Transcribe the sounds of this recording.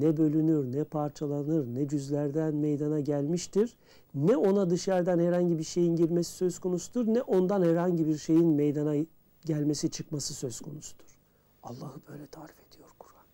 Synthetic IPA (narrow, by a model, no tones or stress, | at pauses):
nɛbø̞lʲynyɾnɛpʰaɾt͡ʃʰalˠanɯɾnɛd͡ʒyzlʲæɾd̪ænme̞jd̪anaɟælʲmiʃt̪ʰiɾ̥ | nɛo̞nad̪ɯʃaɾd̪anhæɾhaɲɟibiɾʃe̞jinɟiɾme̞si̥sø̞zkʰo̞nusud̪ɯɾnɛʔo̞nd̪anhæɾhaɲɟibiɾʃe̞jinmejd̪ana | ɟælʲme̞sit͡ʃʰɯkmasɯsø̞z̥kʰo̞nusu̥d̪̥uɾ̥ | alˠːaːhɯbø̞jlʲɛt̪ʰaːɾife̞d̪̥ijo̞ɾkʰu̥ɾan